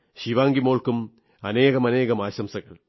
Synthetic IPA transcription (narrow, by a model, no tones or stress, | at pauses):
ɕiʋaːŋɡimoːɭkum | ɐne̞ːɣɐmɐne̞ːɣɐmaːɕɐmsɐɣɐ̰ɭ